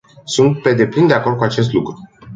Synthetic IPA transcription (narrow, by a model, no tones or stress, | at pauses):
sunt̪̚pe̞d̪e̞plind̪eako̞rd̪̚kuat͡ʃe̞s̬t̪lukɾu